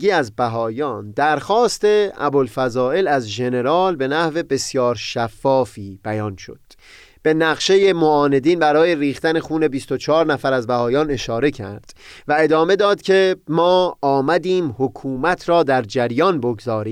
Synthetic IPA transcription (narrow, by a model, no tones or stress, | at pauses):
iːæzbæɦɒːjɒːnd̪æɾxɒːst̪e̞æ̰bolfæzɒːe̞læzʒe̞ne̞ɾɒːlbe̞næhve̞be̞sjɒːɾʃæfːɒːfiːb̥æjɒːnʃo̞̰d̪̥ | b̥e̞næɣʃe̞jemoɒːne̞d̪iːnbæɾɒːje̞ɾiːxt̪æne̞xuːne̞bist̪o̞t͡ʃʰɒːɾnæfæɾæzbæhɒːjɒːne̞ʃɒːɾe̞cʰæ̰ɾd̪̥væe̞d̪ɒːme̞d̪ɒːd̪cʰe̞mɒːmæd̪iːmhokʰuːmæt̪ʰɾɒːd̪æɾd͡ʒæɾjɒːnbo̞ɡzɒːɾiː